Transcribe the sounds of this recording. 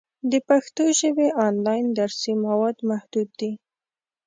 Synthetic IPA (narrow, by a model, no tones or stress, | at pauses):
d̪əpaxt̪oʒəweʔɑnlɑjnd̪aɾsimawɑd̪mahd̪ud̪̚ːi